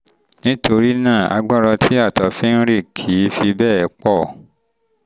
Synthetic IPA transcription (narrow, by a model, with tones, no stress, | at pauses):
nĩ˦to˧ɾi˦nãː˦˨a̰˧ɡ͡ba˦˨ɾɔ˧tʰi˦a˦˨tɔ˨˦fɛ˦n̩˦ɾi˦˨kʰi˨˦fi˧bɛː˦˨ɛ˨˦k͡pɔ˦˨